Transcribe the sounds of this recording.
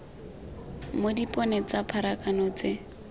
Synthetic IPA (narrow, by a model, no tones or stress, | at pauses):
modipʼɔnɛt͡sapʰaɾakʼanɔt͡se